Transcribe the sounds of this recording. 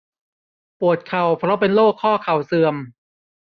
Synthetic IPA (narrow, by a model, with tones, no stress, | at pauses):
pu˨˩ət̪̚kʰa˨˩wpʰɾɔ˦˥pe˧nloː˥˩kʰːɔː˥˩kʰa˨˩wsɯ˧əm